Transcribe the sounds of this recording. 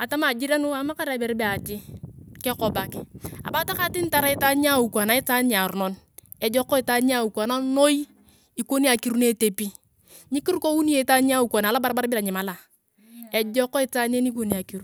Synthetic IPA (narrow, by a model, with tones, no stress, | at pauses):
a˨ta˦ma˨d͡ʒi˦ɾa˦nu˦a˨˦ma˦ka˦ɾa˨be˨ɾi˦be˦˨a˨ti˦kɛ˦kɔ˨ba˨ka̰˨ba˨˦ta˦ka˨˦ti˦n˦ta˨ɾa˦i˦ta˦ɲ˦a˦˨u˨kʷna˨˦i˦ta˦na˨ɾu˨nɔ˨˦n | ɛ˨d͡ʒɔ˦kːɔ˦i˨ta˦nɲ˦a˦u˨kʷa˨na˦no˦j | i˨ko˦ni˦a˨ki˨ɾu˦ne˦te˨pi˦ | ɲi˦ki˦ɾu˦ko˦wu˦ni˦je˨˦ta˦ɲ˦a˦u˨kʷo˨na˨la˦ba˦ɾba˦ɾbɪ˦la˨ɲi˨ma˨˦la˨ | e˨d͡ʒɔ˦kɔ˦i˦ta˦n˦e˦ni˦k̬o˦ni˨a˨ki˨ɾu˦